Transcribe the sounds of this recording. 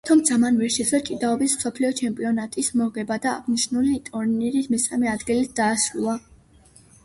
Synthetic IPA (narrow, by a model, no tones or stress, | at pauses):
t̪ʰɔmd̪z̥amanvɛɾʃid̪zɛt͡ʃʼid̪aɔbismsɔpʰliɔt͡ʃʰɛmpʼiɔnat̪ʼismɔʁɛbad̪a̰ːʁniʃnulit̪ʼuɾniɾismɛsamɛad̪ɡilit̪̚ʰd̪̥aːsulˠa